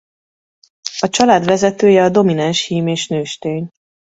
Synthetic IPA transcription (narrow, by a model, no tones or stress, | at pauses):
ɒt͡ʃɒlaːd̪ʋɛzɛt̪øːjɛɒd̪o̞minɛnʃhiːmeːʃnøːʃt̪eːɲ